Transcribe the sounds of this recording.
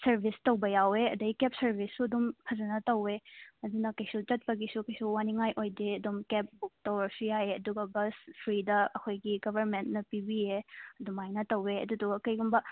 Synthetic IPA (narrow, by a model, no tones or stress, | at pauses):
sɐɾbʱistɐwbɐjaweɐdɐɡikep̚sɐɾbʱisːuɐdumpʰɐzɐnɐtɐweɐdunɐkɐjsut͡ʃɐt̚pɐɡisukɐjsuwaniŋajʔojdeɐdumkep̚tɐwɾɐsujajeɐ̰duɡɐbɐspʰɾidɐɐkʰojɡiɡɐbʱɐɾmentnɐpibieɐdumajnɐtɐweɐ̰duduɡɐkɐjɡumbɐ